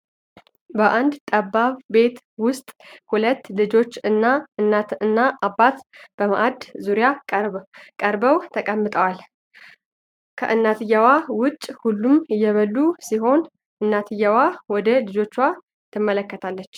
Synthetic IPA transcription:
bəʔand̪t̪ʼəbaβbe̞t̪ | wʊst̪ʼhulət̪ːlɨd͡ʒo̞t͡ʃːɨnːaɨnaɨnːaʔabːat̪b̥əma̰ʔad̪zuɾijakʼəɾbəwt̪ʰəkʼəmːɨt̪ʼəwal | kʰə̰ʔɨnːat̪ʰɨjːawawʊt͡ʃʼːhulːumɨjːɛβəlːusiɦo̞n | ʔɨnːat̪ʰɨjːawawɔd̪əlɨd͡ʒo̞t͡ʃːwa | t̪ʰːɨmːələkːət̪ʰalːət͡ʃː

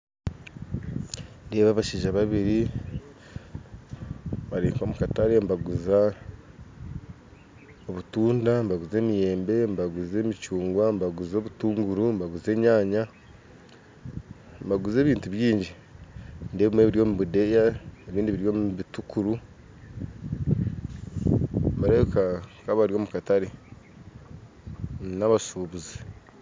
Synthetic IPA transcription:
ndeβaːβaʃiːʒaβaβiɾi | βaɾiːŋko̞ːmukataɾembaɡuza | o̞βutuːndambaɡuze̞ːmije̞ːmbe̞mbaɡuze̞ːmit͡ʃuːŋɡwambaɡuzo̞ːβutuːŋɡuɾumbaɡuze̞ːɲaːɲa | mbaɡuze̞ːβiːntuβjiːɲɟi | ndeβimwe̞βiɾjo̞ːmuβudejaeβiːndiβiɾjo̞muβitukuɾu | mbaɾekakaβaɾijo̞ːmukataɾe | naβasuβuzi

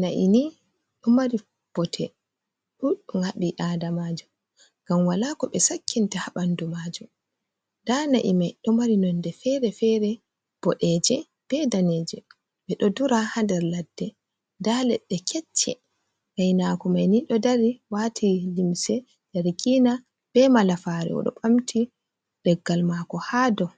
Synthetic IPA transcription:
naʔḭni | ɗɔmaɾi | b̥ɔtʰɛ | ɗuɗuŋaɓiʔadamad͡ʒu | ɡ̥amwalakɔɓɛsakːintahaɓandumad͡ʒum | danaʔḭmajɗɔmaɾinɔndɛfɛɾɛfɛɾɛ | b̥ɔɗɛd͡ʒɛ | b̥ɛdanɛd͡ʒɛ | ɓɛɗɔduɾahandɛɾladːɛ | dalɛɗːɛkʰɛt͡ʃːɛ̰ | majnakɔmajniɗɔdaɾiwatʰilimsɛ | d̥aɾikiːna | b̥ɛmalafaɾɛ̰ɔ̰ɗɔ̰ɓamtʰi | d̥ɛɡːalmakɔhaːdɔ

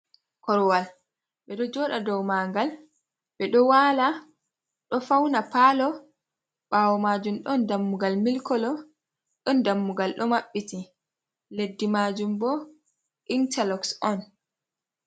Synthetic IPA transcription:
kɔɾwal | ɓɛɗɔd͡ʒɔːɗadɔwmaːŋɡal | ɓɛɗɔwaːla | ɗɔfawnapalɔ | ɓawɔmaːd͡ʒumɗɔndamːuɡalmilkɔlɔ | ɗɔndamːuɡalɗɔmaɓːiti | ledːimaːd͡ʒumbɔ | ʔintalɔksɔn

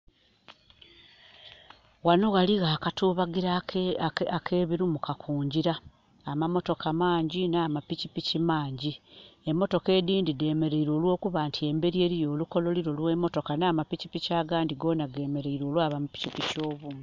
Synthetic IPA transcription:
wanoɣaliɣaːkatuːβaɡiɾa | akʰe̞ːβiɾumukakʰuːɲɟiɾaː | mamo̞to̞kamaːɲɟinaːmapicipicimaːɲɟiemːo̞to̞ke̞ːdiːndide̞ːme̞ɾe̞iɾo̞ːlwo̞ːkuβaːntʰie̞mbe̞ɾie̞ːɾijo̞ːluko̞lo̞liɾo̞lwe̞mːo̞to̞kanaːmapicipicaːɡaːndiɡo̞ːnaɡe̞ːme̞ɾe̞iɾo̞ːlwaːβamupi̥cipico̞ːβumu

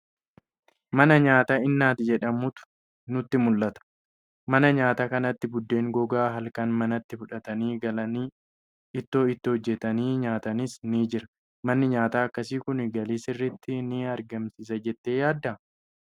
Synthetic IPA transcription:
mɐnɐɲaːt̪aːɪnːaːt̪ɪd͡ʒɛᶑɐmʊt̪ʊ̥ | nʊt̪ːɪmʊlːɐt̪ɐ̥ | mɐnɐɲaːt̪aːkɐnɐt̪ːɪbʊd̪ːe̞ːŋɡɔɡaːɦɐlkɐnmɐnɐt̪ːɪfʊᶑɐt̪ɐniːɡɐlɐniː | ɪt̪ːoːɪt̪ːɪhɔd͡ʒːɛt̪ɐniːɲaːt̪ɐnɪsniːd͡ʒɪɾɐ̥ | mɐnːɪɲaːt̪aːɐkːɐsiːkʊnɪɡɐliːsɪrːɪt̪ːɪnɪɐɾɡɐmsɪs̬ɐd͡ʒɛt̪ːeːjaːd̪ːɐ

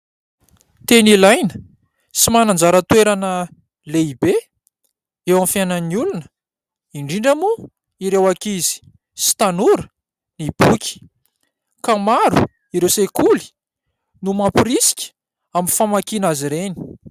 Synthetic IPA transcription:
t̪enilajnə̥ | simanand͡zaɾət̪weɾanə | leibe | ewãmfjananiulunə̥ | iɳɖ͡ʐiɳɖ͡ʐamu | iɾewakizi̥ | si̥t̪anuɾə | nib̥ukʲʰi̥ | kamaɾu | iɾewsekuli̥ | numapiɾisi̥kʲi̥ | aminfamakinaziɾeni̥

